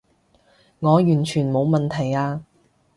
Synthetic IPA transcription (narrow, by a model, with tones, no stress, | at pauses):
ŋɔː˨˧jyː˨˩nt͡ʃʰyː˨˩nmo˨˧wmɐ˨nt̪ʰɐ˨˩jaː˧